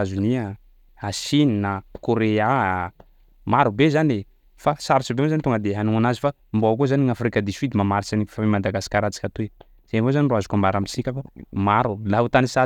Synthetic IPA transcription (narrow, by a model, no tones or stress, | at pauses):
azunia | asininakoɾea | maɾubezane | fasaɾit͡ʃibeozanit̪oŋɡəd̪eɦanuanazifa | mboak̬ozaniŋafɾikad̪isid̪imamaɾit͡sani̥famemad̪aɡasi̥kʲaɾat͡sḁkʲat̪ue | z̥envozaniruazukamaɾamisikʲafamaɾulaɦut̪anisa